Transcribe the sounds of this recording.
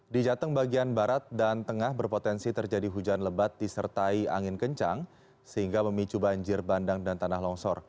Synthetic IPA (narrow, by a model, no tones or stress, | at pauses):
did͡ʒat̪əŋbaɡianbaɾat̪̚dant̪əŋahbərpot̪ɛnsit̪ərd͡ʒadiɦud͡ʒanləbat̪̚disərt̪aia̰ŋɪnkəɲt͡ʃaŋ | səɦiŋɡaməmit͡ʃubaɲd͡ʒɪrbandaŋdant̪anaɦlɔŋsɔr